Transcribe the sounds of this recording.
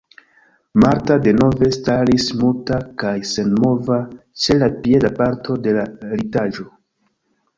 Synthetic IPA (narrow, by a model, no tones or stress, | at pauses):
maɾtade̞no̞ve̞staɾismultakajse̞nmo̞vat͡ʃe̞lapie̞dapaɾtʰo̞de̞laɾitaʒo̞